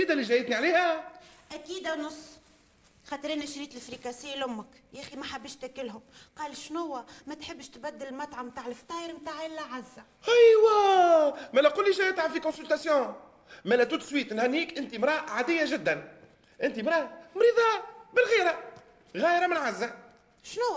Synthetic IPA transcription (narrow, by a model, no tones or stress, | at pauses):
iːd̪æliʒæjət̪niʕaleːhæʔækiːd̪ænʊsˤː | xæt̪ɾiːnæʃɾiːt̪ɪlfɾikæsɪjːlʊmːəkʔæximæħabːəʃt̪ækɪlɦʊm | qɑːlʃnʊwːæmæt̪ħɪbːʃt̪bæd̪ːɪllmɑt̪ʕamt̪aːʕɪlɪft̪ɑːjɾmt̪aːʕʔɪlːæʕazːæ | hajwæ | mælɛqʊlːiʒɛjɪt̪ʕafikɔ̃sʏlt̪æsjɔ̃ | mælɛt̪ut̪ːswiːt̪nhænːiːkʔɪnt̪imɾˤɑːʕad̪ɪjːaʒɪd̪ːæn | ʔɪnt̪imɾˤɑːmɾiðˤɑbɪlɣiːɾa | ɣæːjɾamɪnʕazːæ | ʃnʊwːæ